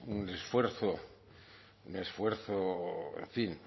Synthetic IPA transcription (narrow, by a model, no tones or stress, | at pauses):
unesfweɾθo | unesfweɾθoḛɱfin